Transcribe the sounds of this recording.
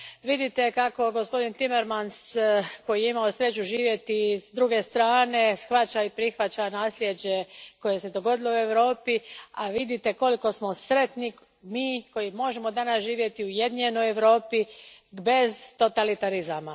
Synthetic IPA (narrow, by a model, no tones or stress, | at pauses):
ʋid̪it̪e̞kako̞ɡo̞spo̞d̪int̪imeɾmansko̞jijeimaosɾe̞t͡ɕuʒiːʋje̞t̪isd̪ɾuɡe̞st̪ɾaːne̞sxʋat͡ɕaipɾixʋat͡ɕanaːslje̞d͡ʑe̞ko̞je̞se̞d̪o̞ɡo̞d̪ilo̞ue̞ʋɾo̞ːpiaʋid̪it̪e̞ko̞liko̞smosɾet̪ni | miːko̞jimo̞ʒemo̞d̪anasʒiːʋje̞t̪iuje̞d̪iɲeno̞jeʋɾo̞ːpibe̞zt̪o̞t̪alit̪aɾizama